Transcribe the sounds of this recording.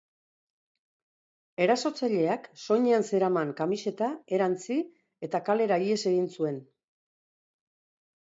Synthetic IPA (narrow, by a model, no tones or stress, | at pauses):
e̞ɾaso̞t͡saʎe̞akso̞ɲeanse̞ɾamaŋkamise̞t̪ae̞ɾant͡si | e̞t̪akale̞ɾaie̞se̞ɣinsue̞n